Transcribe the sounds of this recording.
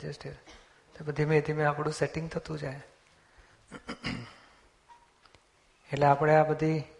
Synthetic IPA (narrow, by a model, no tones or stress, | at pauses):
d͡ʒesʈeɾ | t̪obəd̪ʱimẽəd̪ʰimẽapɽ̃ũseʈɪ̃ŋɡ̚t̪ʰət̪ũd͡ʒaje | eʈleapɽ̃eabəd̪ʱi